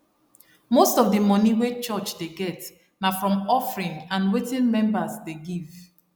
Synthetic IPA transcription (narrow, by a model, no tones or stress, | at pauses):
mostɔvdəmɔniwet͡ʃɔt͡ʃdeɡɛt | nafɹɔ̃mɔfɹĩnãnwetĩnmɛ̃mbasdeɡiv